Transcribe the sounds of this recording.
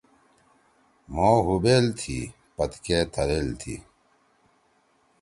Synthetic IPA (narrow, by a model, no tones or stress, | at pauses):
moːɦubeːlt̪ʰḭ | pɐt̪keːt̪ʰɐɾeːlt̪ʰḭ